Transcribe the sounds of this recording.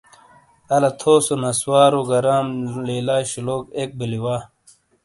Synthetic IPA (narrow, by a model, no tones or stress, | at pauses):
ɐlɐt̪ʰoːsonɐswaːɾoɡɐɾaːmleːlaːɕiloːkek̚biliwaː